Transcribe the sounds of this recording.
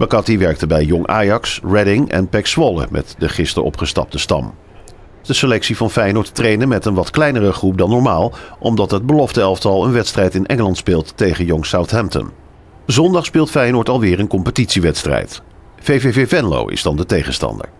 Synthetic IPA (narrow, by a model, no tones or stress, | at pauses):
b̥ɑkɑtiʋɛɹk̚təbɛjjɔŋʔa̰ːjɑksɹɛdɪŋɛ̰npɛksʋɔlə̰mʔɛ̰tdəχɪstə̰ɹʔɔ̰pχəstɑ̰p̚təstɑ̰m | d̥əsəlɛksivɑnfɛjnʊːɹttrejnənmɛtənʋɑtklɛjnərəχrup̚dɑnːɔɹmaːlˠʔɔmdɑtɦəd̚bəlɔftəɛlˠftɑlˠənʋɛtstrɛjtɪnʔɛŋəlɑntspɪːlˠtːejχənjɔŋsawtɦɛmtə̰n | zɔndɑχspɪːlˠtfɛjnʊːɹtɑlˠʋɪːɹənkɔmpətitsiʋɛtstrɛ̰jt | vejvevevɛnlo̰wʔɪ̰z̥dɑndətejχənstɑ̰ndə̰ɹ